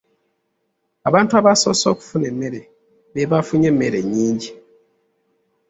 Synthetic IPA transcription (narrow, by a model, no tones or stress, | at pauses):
aβaːntuaβaso̞soku̥funemːeɾe | βeβafuɲemːeɾeɲiːɲɟi